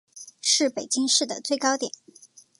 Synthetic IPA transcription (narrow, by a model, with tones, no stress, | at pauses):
ʂɻ̩˥˩pe˨˩ɪt͡ɕi˥ŋʂɻ̩˥˩d̪ə˩t͡swe˥˩ɪkɑ˥ʊt̪jɛ˨˩˦n